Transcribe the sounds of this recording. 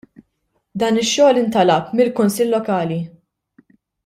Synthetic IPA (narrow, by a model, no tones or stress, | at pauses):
d̪ɐːnɪʃːɔːlɪnt̪ɐlɐpmɪlkʊnsɪlːɔkɐːli